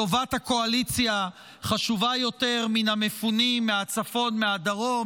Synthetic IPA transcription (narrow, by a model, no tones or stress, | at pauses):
o̞vathako̞alit͡sja | χaʃuvajo̞te̞ʁminamefunimːeat͡safo̞nmeadaʁo̞